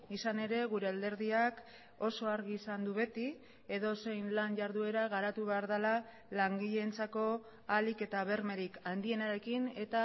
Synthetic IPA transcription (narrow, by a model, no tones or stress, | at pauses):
isane̞ɾe̞ɣuɾe̞ald̪e̞ɾðiak | o̞so̞aɾɣiːsand̪uβe̞t̪i | e̞ðo̞se̞jnlanʝaɾðue̞ɾaɣaɾat̪uβe̞aɾðala | laŋɡiʎe̞nt͡sako̞ | alike̞t̪aβe̞ɾme̞ɾikand̪ie̞naɾe̞kine̞t̪a